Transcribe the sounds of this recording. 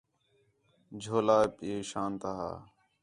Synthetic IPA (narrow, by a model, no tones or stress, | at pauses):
d͡ʒʱoːlaːpeːʃaːnt̪aɦa̰ː